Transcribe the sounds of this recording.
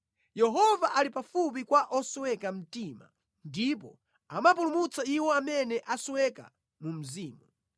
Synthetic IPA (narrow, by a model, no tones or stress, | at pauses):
jɛɦɔvaʔalipafup̬ikwaʔɔsɔwɛkam̩tima̰ | ndip̬ɔ | amap̬ulumut͡saiwɔamɛnɛʔasɔwɛka̰ | mum̩ziːmu